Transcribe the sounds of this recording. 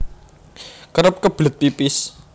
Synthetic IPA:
kəɾəp̚kəb̥lət̪̚pipɪs

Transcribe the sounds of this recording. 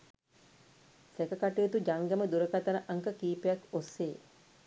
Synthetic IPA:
sekəkaʈejet̪ud͡ʒaŋɡaməd̪uɾəkat̪anəʔaŋkəkiːpejakosːeː

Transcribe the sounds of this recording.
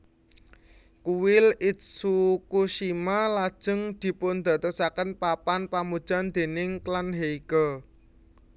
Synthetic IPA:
kuwɪlɪt̪̚sukuʃimalad̥ʒ̥ə̤ŋd̪̥i̤pʊnd̪̥ä̤t̪ɔsakənpapanpamud̥ʒ̥a̤nd̪̥e̤nɪŋklanɦeiɡ̥ɔ

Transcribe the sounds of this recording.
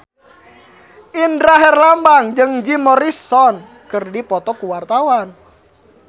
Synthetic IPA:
ʔindɾaɦɛrlambaŋd͡ʒɨŋd͡ʒimɔɾisɔn | kɨrdipɔt̪ɔkuwart̪awan

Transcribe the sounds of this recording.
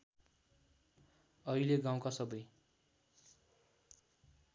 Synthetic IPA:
ʌileɡãw̃kasʌbʌj

